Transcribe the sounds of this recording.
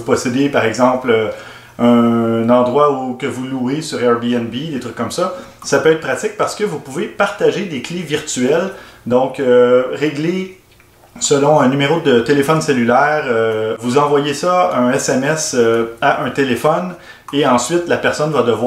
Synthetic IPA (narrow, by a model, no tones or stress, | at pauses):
pɔsed̪epaʁɛɡzɑ̃plø | œ̃nɑ̃d̪ʁwaukəvuluesyʁɛʁbiɛnbid̪et̪ʁykːɔmsʌ | sapøɛːt̪̚pχat̪ɪk̚paʁsə̥kəvupuvepaʁ̥t̪aʒed̪ekleviʁt̪yɛld̪ɔ̃køʁeɡle | səlɔ̃ɛ̃nymeʁod̪ət̪elefɔnselylɛːʁøvuzɑ̃vwajesʌɛ̃ɛsɛmɛsøaʔɛ̃t̪elefɔn | eɑ̃sɥɪt̪lapɛʁsɔnvad̪əvw